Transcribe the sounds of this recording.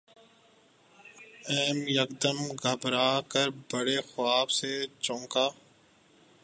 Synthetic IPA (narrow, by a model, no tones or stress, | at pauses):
ɛːmjəkd̪əmɡʱəbɾaːkəɾbəɽeːxʊaːbset͡ʃõːkaː